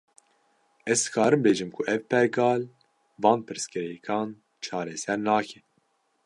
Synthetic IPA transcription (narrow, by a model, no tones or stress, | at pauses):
ɛzd̪ɨkʰɑːɾɨmbeːʒɨmkʰuʔɛvpɛɾɡɑːl | vɑːnpʰɨɾskɨɾɛjɛkʰɑːn | t͡ʃʰɑːɾɛsɛɾnɑːkʰɛ